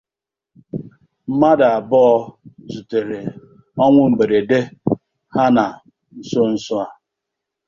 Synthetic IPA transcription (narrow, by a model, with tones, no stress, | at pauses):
m̩˦ma˦da˨a˨bɔ˦ɔ˦zu˨te˨ɾe˨ | ɔ˦ŋʷʊ˦m̩˨ɡ͡be˨ɾe˨de˦ | ha˦na˨ | n̩˦so˦n̩˦sʊ˦a˦